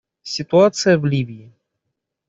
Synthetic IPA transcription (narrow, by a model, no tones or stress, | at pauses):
sʲɪt̪ʊat̪sɨjəvlʲivʲiɪ